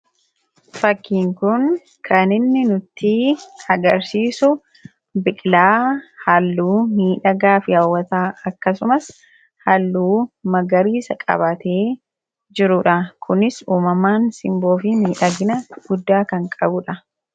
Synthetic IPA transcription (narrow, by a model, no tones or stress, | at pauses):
fɐkːiːŋkʊn | kʰɐnɪnːɪnʊt̪ʰːiɐɡɐɾsiːsʊ | bɪkʼlaːhɐlːuːmiːᶑɐɡaːfɪjaːwːɐt̪aːɐkːɐsʊmɐs | hɐlːuːmɐɡɐɾiːsɐkʼɐ̰bɐt̪e̞ː | d͡ʒɪɾʊᶑɐkʰʊnɪsuːmɐmaːnsɪmbo̞ːfɪmiːᶑɐɡɪnɐɡ̥ʊd̪ːaːkɐŋkʼɐbʊᶑɐ